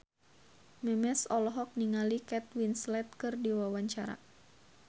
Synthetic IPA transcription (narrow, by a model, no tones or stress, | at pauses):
mɛmɛsɔlɔɦɔk̚niŋalikɛt̪̚winslɛt̪̚kɨrdiwawaɲt͡ʃaɾa̰